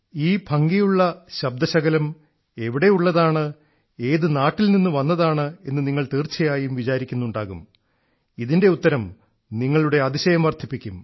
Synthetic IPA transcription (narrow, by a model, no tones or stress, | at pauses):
iːbʱɐŋɡijuɭːɐɕɐb̚d̪ɐɕɐɡɐlɐm | e̞ʋiɽe̞juɭːɐðaːɳɨ | e̞ːðɨnaːʈːilninːuʋɐnːɐðaːɳɨe̞nːɨniŋːɐɭt̪iːrt͡ɕːɐjaːjumʋit͡ɕaːɾikʲːunːuɳɖaːɣum | iðinde̞ut̪ːɐɾɐm | niŋːɐɭuɽe̞ɐðiɕɐjɐmʋɐrt̪ʰipːikʲːum